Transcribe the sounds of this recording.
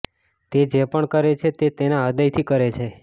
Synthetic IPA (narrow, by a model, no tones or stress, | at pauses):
t̪ed͡ʒepəɳkəɾet͡ʃʰet̪et̪enaəd̪əjt̪ʰikəɾet͡ʃʰe